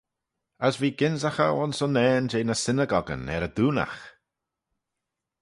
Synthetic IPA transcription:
əsviːɡɪnzaxə̰ʊnsənɛːnd͡ʒeːnəsɪnəɡɔɡə̰nɛ̰ɾəd̪uːna̰x

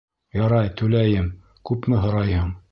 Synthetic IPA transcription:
jɑɾɑjt̪ʉlæjɘm | kʉpmɘɦŏɾɑjhɤɴ

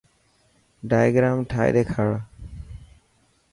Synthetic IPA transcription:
ɖajɡɾamʈʰa̰jd̪ekʰaɭ

